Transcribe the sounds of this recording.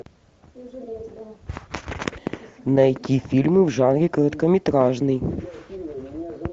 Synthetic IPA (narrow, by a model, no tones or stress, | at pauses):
nɐjɐkʲifʲilʲmɨwʐɑnɾʲikɔɾɐt̪kɐmʲit̪ɾɑʒnɪj